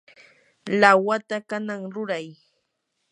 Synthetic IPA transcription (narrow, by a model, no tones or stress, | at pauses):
lawat̪akanaŋɾʊɾaj